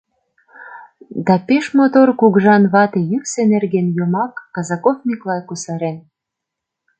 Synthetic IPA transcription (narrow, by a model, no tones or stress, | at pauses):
d̪ɑpeʃmot̪orkuɣʒɑnβɑt̪ejyksenerɣenjomɑkːɑzɑkofniklɑjkusɑɾen